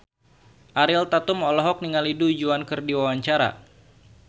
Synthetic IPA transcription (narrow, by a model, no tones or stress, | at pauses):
ʔaɾɪlt̪at̪ʊmɔlɔɦɔk̚niŋaliduud͡ʒuankɨrdiwawaɲt͡ʃaɾa̰